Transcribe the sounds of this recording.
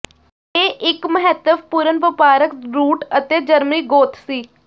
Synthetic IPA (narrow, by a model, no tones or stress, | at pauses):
eːʔɪkməɦɛt̪ːəpuːɾənʋɪpaːɾəkɾuːʈət̪eːd͡ʒəɾmniːɡoːt̪ʰsiː